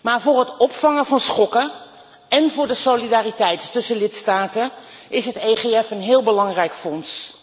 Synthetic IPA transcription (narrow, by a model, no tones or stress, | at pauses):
maːɹvʊːɹɦətɔpfɑŋəvɑnsχɔkə | ɛnvʊːɹdəsowlidaːritɛjttɵsəlɪtstaːtəʔɪsɦətejχeɛfənɦɪːlˠbəlɑŋrɛjkfɔns